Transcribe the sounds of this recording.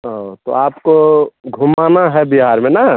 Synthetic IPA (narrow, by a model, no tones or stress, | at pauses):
ot̪o̰aːpkoɡʱʊmanaɦɛbiɦaɾmẽna